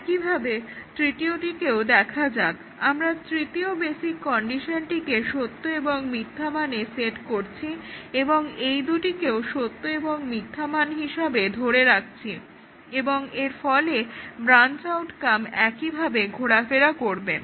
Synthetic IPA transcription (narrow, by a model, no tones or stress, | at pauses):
ɛkibʱabet̪ɾiʈ̪ioʈikeod̪ɛkʰad͡ʑak | amɾat̪ɾit̪iobesikːɔɳɖiʃonʈikeʃot̪ːoeboŋmit̪ʰːamaneseʈkoɾt͡ɕʰieboŋejd̪uʈikeoʃot̪ːoeboŋmit̪ʰːamanɦiʃabed̪ʱoɽeɾak̚ʰt͡ɕʰi | eboŋeɾfɔlebɾant͡ɕawʈkamɛkibʱabeɡʱoɽafeɾakoɾbe